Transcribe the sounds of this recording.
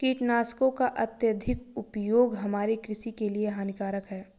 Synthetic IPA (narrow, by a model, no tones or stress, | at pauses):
kiːʈnaːskokaʔɐt̪jəd̪ʱɪkʊpjoːɡɦɐmaːɾikɾɪsikelieɦaːnɪkaːɾəkɦɛː